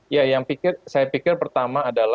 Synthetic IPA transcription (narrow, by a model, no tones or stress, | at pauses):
jajaŋpikɪrsajapikɪrpərt̪amaːdala